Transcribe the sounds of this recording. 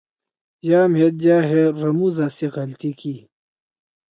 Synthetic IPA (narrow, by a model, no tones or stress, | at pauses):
jaːmet̪̚d͡ʑaːɦeɾɐmuzasekɐlt̪iki